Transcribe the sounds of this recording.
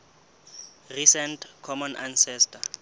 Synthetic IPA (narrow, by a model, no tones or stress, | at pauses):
risɛntkʰɔmɔnʔansɛstʰa